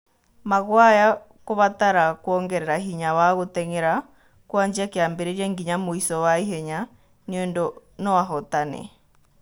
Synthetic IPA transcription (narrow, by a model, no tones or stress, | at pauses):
maɣwaja | koβat̪aɾakwɔŋɡɛɾɛɾaɦiɲawaɣotɛŋɛɾa | kwaɲd͡ʒiakeambeɾeɾiɛŋɡiɲamoisɔwaiɦɛɲa | neɔndɔ | nɔwaɦɔtanɛ̰